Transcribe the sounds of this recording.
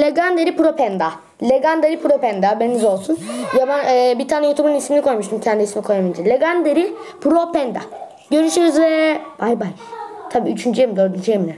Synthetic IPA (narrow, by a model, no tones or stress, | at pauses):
lʲeɡand̪eɾipuɾopʰɛnd̪a | lʲeɡand̪eɾipuɾo̞pɛnd̪abenizo̞lˠsunjabanɛːbit̪ʰaːnɛjot̪ʰubunismilʲikʰo̞jmuʃt̪ʰumcʰɛnd̪isimikʰo̞jamind͡ʒ̪ilʲeɡand̪eɾipʰɾopʰɛnd̪a̰ | ɟø̞ɾyʃyɾyzvɛbajbaj | t̪ʰabiːyt͡ʃʰynd͡ʒyjemid̪ø̞ɾd̪ynd͡ʒyjemilʲɛ